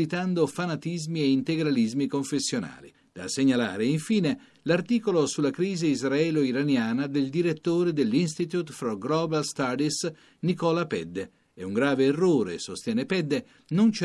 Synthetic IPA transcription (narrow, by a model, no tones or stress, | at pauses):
it̪and̪ofanat̪izmieint̪eɡɾalizmikoɱfesːjona̰ːli | d̪̥a̰seɲːala̰ːɾeiɱfiːne | lart̪iːkolosulːakɾiːziizɾaɛːloiɾanjaːnad̪eld̪iɾet̪ːoːɾed̪elːinst̪it̪jut̪fɾɔɡlɔbalst̪ad̪is | nikɔːlapɛd̪ːe | ɛuŋɡɾaːveːrːoːɾḛsost̪jɛːnepɛd̪ːe | nont͡ʃ